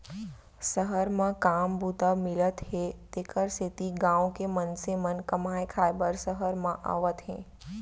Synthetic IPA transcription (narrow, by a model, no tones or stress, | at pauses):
səɦəɾmãkaːmbut̪amɪlət̪ɦet̪eːkəɾset̪iɡãːõkemənsemənkəmaːekʰaːjbəɾsəɦəɾmãʔa̰ːʋət̪ɦɛ̃ː